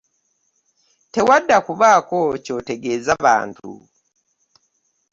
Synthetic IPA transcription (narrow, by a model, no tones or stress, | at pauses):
tewadːakuβaːkocoteɡezaβa̰ːntʰṵ